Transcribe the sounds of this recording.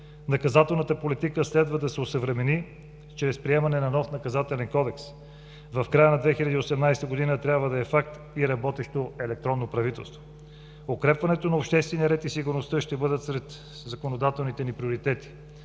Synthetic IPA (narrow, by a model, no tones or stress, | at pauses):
nɐkɐzat̪ɛlˠnət̪əpolit̪ikəslɛd̪vəd̪ɐsɛosəvɾɛmɛni | t͡ʃɾɛspɾiɛmɐnɛnɐnɔfnɐkɐzat̪ɛlɛnkɔd̪ɛks | vɐfkɾajənɐd̪vɛxilʲɐd̪iosɛmnajst̪əɡod̪inət̪ɾʲjabvəd̪ɐɛfak̚t̪ | iɾɐbɔt̪ɛʃt̪oɛlɛk̚t̪ɾɔnːopɾɐvit̪ɛ̰lˠst̪vo | okɾɛpvɐnɛt̪onɐopʃt̪ɛst̪vɛnijɐɾɛt̪isiɡʊɾnost̪əʃt̪ɛbɤd̪ət̪sɾɛt̪ | zɐkonod̪at̪ɛlˠnit̪ɛnipɾioɾit̪ɛt̪i̥